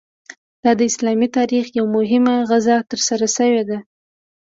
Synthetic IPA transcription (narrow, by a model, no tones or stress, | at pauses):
d̪̥ɑd̪əɪslɑmit̪ɑɾixjawmʊɦɪmaɣazɑt̪əɾsaɾaʃəwed̪a